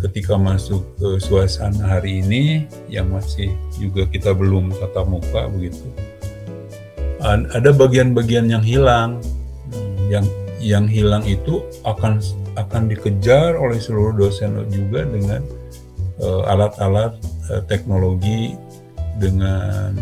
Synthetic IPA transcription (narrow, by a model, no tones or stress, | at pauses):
kət̪ikamasʊk̚əsuasanɦaɾiːni | jaŋmasɪhd͡ʒuɡakit̪abəlʊmkat̪amuka̰bəɡit̪u | aadabaɡianbaɡianjaŋɦilaŋ | jaŋjaŋɦilaŋit̪u | akanakandikəd͡ʒarolɛhsəluɾʊhdosɛn̰d͡ʒuɡadəŋan | əa̰lat̪alat̪̚ət̪ːɛk̚noloɡi | dəŋan